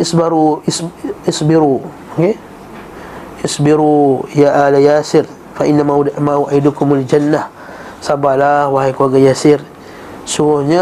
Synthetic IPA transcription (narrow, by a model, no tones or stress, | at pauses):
ɪsbaɾusɪsbiɾu | ɡe | ʔɪsbiɾujaʔalajaːsɪr | faʔɪnːamaudaʔmauʔajdukʊmʊald͡ʒanːah | sabalahwaɦajkuaɡajasɪr | sumʊhɲa